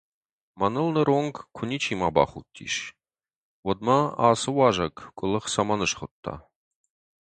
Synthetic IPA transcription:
manɨlnəɾoŋɡkʷʰʊnit͡ʃʰimaba̰χut̪ʰːḭʃ | wɔd̪̚maaːsɨwaʒɐkkʷʼʊləχsamanɨʃχət̪ʰːa̰

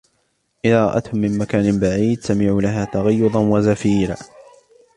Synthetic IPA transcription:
ʔɪðaːɾˤɑʔa̰t̪hʊmːɪmmakaːnɪnbaʕiːd̪samɪʕuːlaɦaːt̪aɣɑjːʊd̪ˤɑnwazafiːɾa̰ː

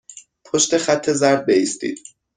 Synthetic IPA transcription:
pʰoʃt̪e̞χæt̪ʰːe̞zæɾd̪̚beiːst̪ḭːd̪

